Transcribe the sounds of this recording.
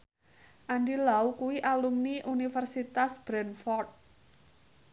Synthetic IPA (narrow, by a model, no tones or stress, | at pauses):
ʔandilaukuwiʔalumniʔunifərsit̪asb̥ɾɛnfɔrt̪̚